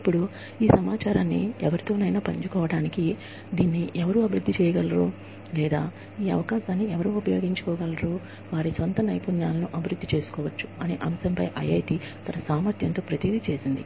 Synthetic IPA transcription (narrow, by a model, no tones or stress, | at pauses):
ipːuɽu | iːsɐmaːt͡ʃaːɾaːnːḭɛʋɐɾit̪o̞ːnɐjnaːpɐɲt͡ʃukɔːʋɐɽaːniki | d̪iːnːiʔɛʋɐɾuːɐbʱiɾud̪ʱːit͡ʃɛːjɐɡɐlɐɾoː | lɛːd̪aː | iːɐ̰ʋɐkaːʃaːnːiɛʋɐɾuupɐjo̞ːɡiɲt͡ʃu̥kɔːɡɐlːɐɾoː | ʋaːɾisʋɐnt̪ɐnɐjpunjaːlɐnuʔɐbʱiɾud̪ʱːit͡ʃe̞ːsu̥kɔːʋɐt͡ʃːu̥ɐnḛʔɐmsɐmpɐjʔɐjɐjt̪i | t̪ɐnɐsaːmɐɾt̪jɐnt̪o̞ːpɾɐt̪id̪it͡ʃe̞ːsind̪i